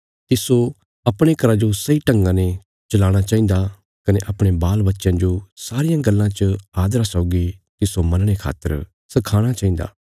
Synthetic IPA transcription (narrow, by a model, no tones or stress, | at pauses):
t̪ɪso | ɐpɽ̃ekɐɾad͡ʒosɐiʈɐ̃ŋɡãnẽ | t͡ʃɐlaːɽ̃at͡ʃaːĩnd̪a | kɐneʔɐpɽ̃ebaːlbɐtːʃãd͡ʒosaːɾɪjãɡɐlːãt͡ʃəaːd̪ɾasɔʊɡit̪ɪsomɐnɽ̃ekʰa̰ːt̪ːə̰ɾ | sɐkʰaːɽ̃at͡ʃaːĩnd̪a̰ː